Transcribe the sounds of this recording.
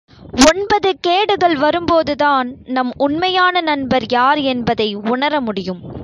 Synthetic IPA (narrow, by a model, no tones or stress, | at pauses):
ɔnbɐðɯkeːɽɯɣɐɭʋɐɾɯmpoːðɯðaːnnɐmʊɳmɐjaːnɐnɐnbɐɾjaːɾɛnbɐðɐɪʊɳɐɾɐmʊɽɪjɯm